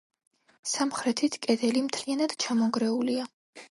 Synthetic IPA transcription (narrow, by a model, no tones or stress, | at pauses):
samχɾɛt̪ʰit̪ʰkʼɛd̪ɛlimt̪ʰlianad̪̥t͡ʃʰamɔɡɾɛulia